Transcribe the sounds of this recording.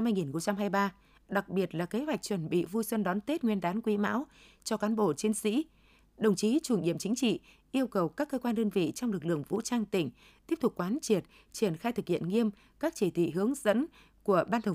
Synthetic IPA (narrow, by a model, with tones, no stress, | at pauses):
mːaː˧jŋi˨˩nxə˧ŋ͡mt͡ɕa˧mɦaː˧jɓaː˧ | ɗa˨˩k̚ɓi˨˩ət̚laː˨˩ke˨˦ɦwa˨˩jk̚t͡ɕwə˧˩nɓḭ˧˨vu˧jswə˧nɗɔ˨˦nt̪e˦˥t̚ŋwi˧ənɗaː˨˦nkwi˨˦ma̰ː˧˥w | t͡ɕɔ˧kaː˨˦nɓo̰˧˨t͡ɕi˧ənsḭ˧˥ | ɗə˨˩wŋ͡mt͡ɕi˨˦t͡ɕu˧˩nɗḭ˧˨əmt͡ɕï˨˦ŋ̟t͡ɕḭ˧˨ | ʔi˧əwkə˨˩wkaː˦˥kːəː˧kwaː˧nɗəː˧nvḭ˧˨t͡ɕɔ˧wŋ͡mlɨ˨˩k̚lɨ̰˧˨əŋvṵ˧˥t͡ɕaː˧ŋt̪ï˧˩ŋ̟ | t̪i˦˥əp̚t̪ʊ˨˩k͡p̚kwaː˨˦nt͡ɕi˨˩ət̚ | t͡ɕi˧˩ənxaː˧jt̪ɨ˨˩k̚hḭ˧˨ənŋi˧əm | kaː˦˥k̚t͡ɕi˧˩t̪ʰḭ˧˨ɦɨ˨˦əŋzə̰˧˥n | ku˧˩əɓaː˧nt̪ʰə˨˩